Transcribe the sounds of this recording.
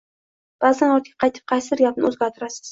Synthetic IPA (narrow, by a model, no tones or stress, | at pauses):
b̥azanɒt̪ʰɡʲḁqʰɑjt̪ʰɪ̥p̚qʰɑjsɪɾjʲapnɪ̰ɵzɡʲaɾt̪ʰʊɾasɪ̥z̥